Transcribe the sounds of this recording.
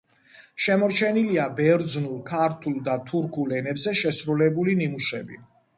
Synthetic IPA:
ʃɛmɔɾt͡ʃʰɛniliabɛɾd̪znulˠkʰaɾt̪ʰulˠd̪at̪ʰuɾkʰulɛnɛbzɛʃɛsɾulɛbulinimuʃɛbḭ

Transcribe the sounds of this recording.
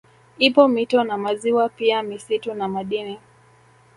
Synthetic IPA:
ipɔmitɔnamaziwapiamisitunamaɗini

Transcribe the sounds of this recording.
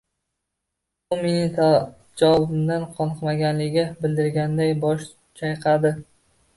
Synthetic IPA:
ʊmenɪt̪ʰa | d͡ʒawɒbɪmd̪anqʰɒnɨqmaɡʲanlɪɡʲabɪld̪ɪɾɡʲand̪ajbɒʃ | t͡ʃʰajqʰɑd̪ɪ

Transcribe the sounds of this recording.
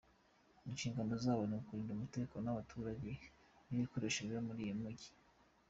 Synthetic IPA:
inʃiːŋɡano̞zaːβo̞nimukuɾiːndumutekonaβatʰuːɾaɟe̞ | niβikoɾeʃeɾjomuɾijemuɟi̥

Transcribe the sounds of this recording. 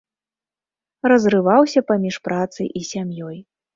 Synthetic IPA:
rɐzrɨvawsʲɐpamʲiʂpɾʔat̪sɨ̰ʔisʲamjɔj

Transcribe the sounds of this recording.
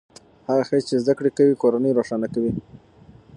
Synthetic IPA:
haɣaxət͡ʃezd̪akɽekawikoɾanəjɾoʂɑnakawi

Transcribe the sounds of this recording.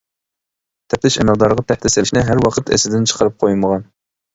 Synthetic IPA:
t̪ʰɛpt̪ɪʃɛmæqd̪ɑɾʁɑt̪ʰɛht̪ɪsɪʃnɪɦæɾwɑqʰət̪ɛ̰sɪd̪ɪnt͡ʃʰə̥qʰəɾɨp̚qʰojməʁɑn

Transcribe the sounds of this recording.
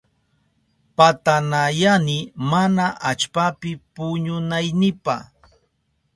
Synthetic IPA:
pat̪anajanɪmanaʔat͡ʃpapɪpʊɲʊnajnɪpa̰χ

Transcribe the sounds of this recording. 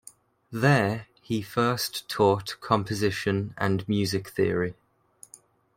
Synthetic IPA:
ðə | ifɜˑstʰɔˑʔkʰɒ̃mpʰəzɪʃə̃nə̰̃nmjʉːzɪkθɪəɹi

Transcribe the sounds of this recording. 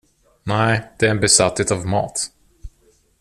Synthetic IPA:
nɛɪd̪̥ɛæɾɛnbɛsat̪heːt̪ɑvmɑ̰ːt̪

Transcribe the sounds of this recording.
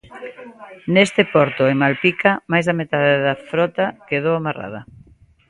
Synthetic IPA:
nest̪ɪpɔɾt̪ʊemalpikʰɐmajzðɐmet̪aðeðɐfɾɔt̪ɐkeðowamara̰ð̞ɐ

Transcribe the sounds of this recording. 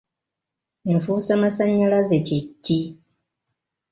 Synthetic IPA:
m̩fusamasaɲːalazet͡ʃekːi

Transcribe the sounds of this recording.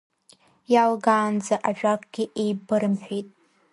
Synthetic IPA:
jalɡaːnd͡zaʔaʒᶣʷakʼɡʲɪʔejbɨɾɨmħᶣʷitʼ

